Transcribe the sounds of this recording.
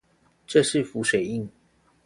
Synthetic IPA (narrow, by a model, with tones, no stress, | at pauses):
ʈ͡ʂɤ˥˧ʂɻ̩˥˨fu˨˦swe˨˩ɪi˥˨ŋ